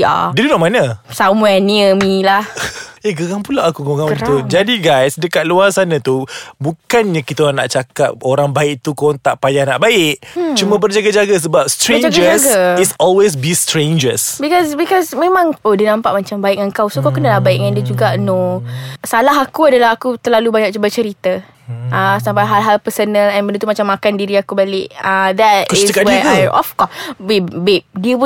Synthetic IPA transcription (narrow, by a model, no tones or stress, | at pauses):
a̰dədunaʔmanəsamwɛniəmilaheɡaɡaŋpulaakuɡɡat̪ud͡ʒadiɡajsdəkat̪̚luarsanãt̪ubukanɲãkit̪əana̰ʔt͡ʃakap̚oɾaŋbaɪʔ̚t̪ukɔnt̪aʔpajanaʔbaɪʔt͡ʃumə̃bərd͡ʒaɡad͡ʒaɡas̬əbap̚stɾẽd͡ʒaɲd͡ʒɡəasɡaisɔlwes̬bist̪ɾend͡ʒəsbikɔsbikɔsmẽmãŋodinãmpaʔmat͡ʃambaɪʔkəŋkawsokawkənalahbaɪʔŋãndəd͡ʒuɡanosalaɦakuadalaɦakut̪ərlalubaɲak̚t͡ʃubat͡ʃəɾit̪ə | ʔasampajɦalɦalpəsənəlɛ̃nbəndət̪umat͡ʃamːakandiɾiakubalɪʔad̪ɛtkɪəkawd͡ʒuəʔɔ̰fkɔsbibeʔ̚diəp